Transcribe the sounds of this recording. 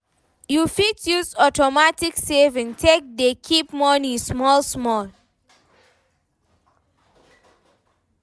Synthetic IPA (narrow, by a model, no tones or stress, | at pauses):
jufitjuzɔtɔmatiksevĩŋtʰek̚dekʰipmɔnĩsmɔlsmɔl